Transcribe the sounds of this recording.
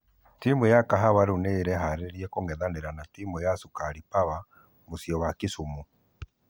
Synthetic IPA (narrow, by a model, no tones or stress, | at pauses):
timujakaɦaβaɾuneɾɛɦaɾeɾiɛkoŋɡɛðaneɾanatimujasukaɾipaβa | mosjɔwakisumu